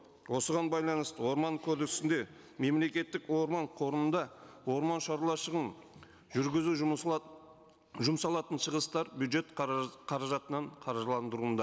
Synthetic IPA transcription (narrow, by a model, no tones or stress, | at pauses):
wo̞səʁɑnbɑjlˠɑnəst̪əwo̞ɾmɑŋkʰod̪eksɪnd̪e̞ | me̞mle̞kʲe̞t̪ːɪkwo̞ɾmɑɴqʰo̞ɾənənd̪ɑwo̞ɾmɑnʃɑɾlˠɑʃəʁən | ʒʏɾɡʲɪzu | ʒʊmsɑlˠɑt̪ənʃəʁəst̪ɑɾbjud̪ʒe̞t̪qʰɑɾɑʒɑt̪ənɑɴqʰɑɾʒəlˠɑnd̪əɾund̪ɑ